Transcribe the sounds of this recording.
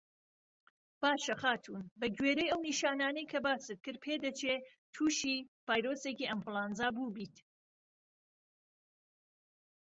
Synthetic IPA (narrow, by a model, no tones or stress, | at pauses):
b̥aːʃɐxaːt̪ʰuːnbɐɡɥeːɾejɐwniʃaːnaːnɐjkʰɐbaːsɨt̪̚kɨɾ̚pʰeːd̪ɐt͡ʃʰeː | t̪ʰuːʃiv̥aːjɾoːseːkiːʔɐmplˠaːnzaːbuːbiːt̪